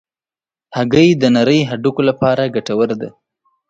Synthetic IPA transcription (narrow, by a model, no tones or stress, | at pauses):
haɡəjd̪ənaɾəjɦaɖukolapɑɾaɡaʈawəɾd̪a̰